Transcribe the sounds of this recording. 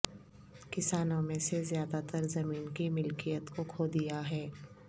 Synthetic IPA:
kɪsaːnõmẽsezjaːd̪at̪əɾzɐmiːnkimʊlkijət̪kokʰoːd̪ijaɦɛː

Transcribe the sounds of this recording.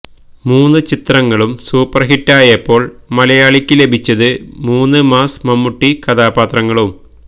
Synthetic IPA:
muːnːɨt͡ɕit̪rɐŋːɐɭumsuːpːɐrɦiʈːaːjɐpːo̞ːɭmɐlɐjaːɭikʲːɨle̞bʱit͡ɕːɐðɨmuːnːɨmaːsmɐmːuʈːikɐd̪aːpaːt̪rɐŋːɐɭum

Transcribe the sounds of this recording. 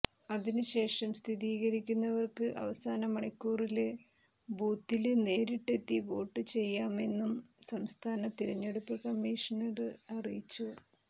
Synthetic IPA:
ɐðinɨɕe̞ːʂɐmst̪ʰiðiːɣɐɾikʲːunːɐʋɐrkɨʔɐ̰ʋɐsaːnɐmɐɳɐkʲːuːrilɨ | buːt̪ːilne̞ːɾiʈːe̞t̪ːiʋo̞ːʈːɨt͡ɕe̞jːaːme̞nːumsɐmst̪ʰaːnɐt̪iɾɐɲːe̞ɽupːɨkɐmːiːʂɐnɐrɨɐrijit͡ɕːu

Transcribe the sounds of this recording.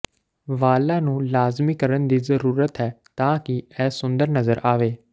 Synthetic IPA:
ʋaːlãːnũːlaːzmiːkəɾənd̪iːzəɾuːɾət̪ɦɛːt̪ãːkɪɛːsʊ̃nd̪əɾnəzəɾʔaːʋeː

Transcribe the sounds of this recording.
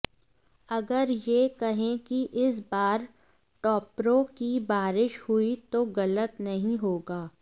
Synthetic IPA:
ɐɡəɾjekɐɦẽkiʔɪs̬baːɾ | ʈɔːpɾõkibaːɾɪʃhuit̪oɣɐlət̪nɐɦĩɦoːɡaː

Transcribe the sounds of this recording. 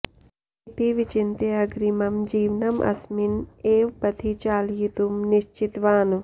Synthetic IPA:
it̪iʋit͡ʃint̪eɐɡɾimɐmd͡ʒiːʋnɐmʔɐ̰smineːʋbɐt̪ʰit͡ʃaːljit̪umniʃt͡ʃit̪ʋaːn

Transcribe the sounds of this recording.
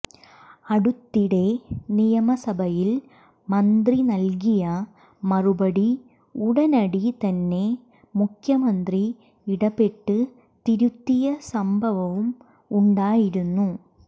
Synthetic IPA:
ɐɽut̪ːiɽe̞nijɐmɐsɐbʱɐjil | mɐnd̪rinɐlk̬ijɐ | mɐrubɐɽi | uɽɐnɐɽit̪ɐnːe̞ | mukʰjɐmɐnd̪ri | iɽɐbe̞ʈːɨ | t̪iɾut̪ːijɐsɐmbʱɐʋɐʋum | uɳɖaːjiɾunːu

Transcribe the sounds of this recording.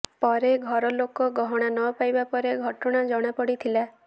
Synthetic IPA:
pɔɾeɡʱɔɾɔlokɔɡɔɦɔɽ̃anɔpajbapɔɾeɡʱɔʈɔɽ̃ad͡ʒɔɽ̃apɔɽit̪ʰila

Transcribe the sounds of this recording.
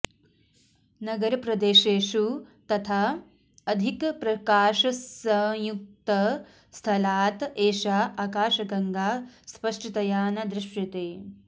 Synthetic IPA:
nɐɡɐɾɐpɾɐd̪eːʃeːʃut̪ɐt̪ʰaː | ɐd̪ʱikpɾɐkaːʃɐsɐ̃juk̚t̪ɐ | st̪ʰɐlaːt̪eːʃaːʔaːkaːʃɐɡɐŋɡaːspɐʂʈɐt̪ɐjaːnɐd̪ɾɪʂjɐt̪eː

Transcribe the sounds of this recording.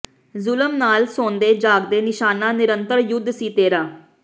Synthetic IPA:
zʊləmnaːlsoːnd̪eːd͡ʒaːɡd̪eːnɪʃaːnaːnɪɾənt̪əɾjʊd̪ʱsiːt̪eːɾaː

